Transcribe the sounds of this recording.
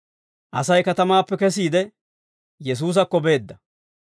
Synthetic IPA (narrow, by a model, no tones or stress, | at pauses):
ʔɐsɐjkɐt̪ɐmaːpːɛkɛs̬iːd̪ɛ | jɛs̬uːs̬ɐkːɔbe̞ːd̪ːɐ